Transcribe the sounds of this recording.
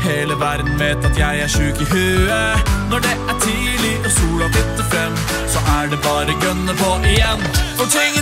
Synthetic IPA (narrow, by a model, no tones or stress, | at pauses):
heːləʋæɾd̪n̩ʋeːt̪ɑt̪jæɪæɾʂʉːkɪɦʉːənɔɖɛæʈʰiːlɪɔsuːlɑbɪt̪ːəfɾɛmː | sɔʔæɖɛbɑːɾəɡɾœnːəpʰɔʔɪjɛnːɔt̪ʰɪŋ